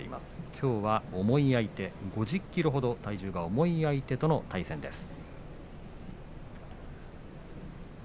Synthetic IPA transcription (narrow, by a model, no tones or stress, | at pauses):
ḛḭma̰sɨ̥kʲʰo̞ːβao̞mo̞iait̪e̞ɡo̞ʑɨkʲːiɾɯɦo̞d̪o̞t̪aiʑɨːɡao̞mo̞iait̪e̞t̪o̞no̞t̪aisẽ̞nd̪e̞sɨ̥